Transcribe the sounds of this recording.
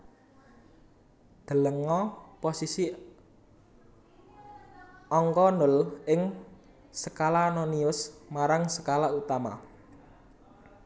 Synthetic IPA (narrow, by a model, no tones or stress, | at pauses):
d̪̥ə̤ləŋɔposisi | ɔŋkɔnʊlɪŋ | səkalanɔniʊsmaɾaŋsə̥kalaut̪ama̰